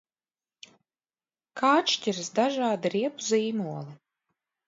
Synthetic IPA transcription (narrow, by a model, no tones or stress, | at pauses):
kʰaːt͡ʃcʲiɾɨsd̪aʒaːd̪iɾiɛpuziːmuɔlˠi